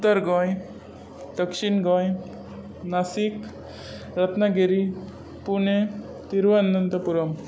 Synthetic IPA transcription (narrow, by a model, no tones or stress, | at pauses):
ut̪əɾɡɔ̃j | d̪əkʃinɡɔ̃j | nasik | ɾət̪naɡeɾi | pune | t̪iɾʋanːənt̪ɔpuɾɔm